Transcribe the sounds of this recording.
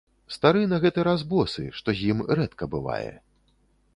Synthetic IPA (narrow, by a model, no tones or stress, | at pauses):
st̪aɾɨnɐɣɛt̪ɨɾazbɔsɨ̰ʂt̪ɔzʲjimɾɛt̪kɐbɨva̰jɛ̰